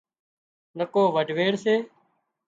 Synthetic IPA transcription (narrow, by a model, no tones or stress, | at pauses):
nəkoːʋəɖʱʋeːɽseː